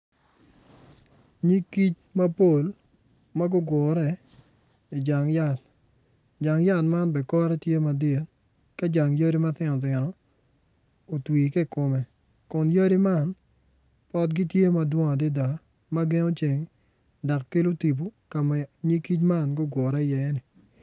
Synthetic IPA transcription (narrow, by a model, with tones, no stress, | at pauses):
ɲi˦ki˦t͡ʃ | ma˦po˦˨l | ma˦ɡʊ˦ɡɔ˨ɾɛ˨ | i˨d͡ʒa˨ŋja˦˨l | d͡ʒa˨ŋja˦˨lma˦nbɛ˨kɔ˦ɾɛ˦tje˦ma˨de˨n | ka˦d͡ʒa˨ŋjə˦ɾi˦ma˦t̪ɪ˦nɔ˨t̪̬ɪ˨nɔ˨ | o˨twiː˨ke˦˨ko˨mɛ˨ | kʊ˨njə˦ɾi˦ma˦˨n | pɔ˦t̚ɡi˦tje˦ma˦dwɔ˦ŋa˨dɪ˦da˨ | ma˦ɡe˦no˦t͡ʃe˨ŋ | da˨kːɪ˦lo˦ti˨bu˦ka˨mɛ˦ɲi˦ki˦t͡ʃma˦˨nɡʊ˦ɡwʊ˨ɾɛ˦˨jɛ˨˦nɪ˨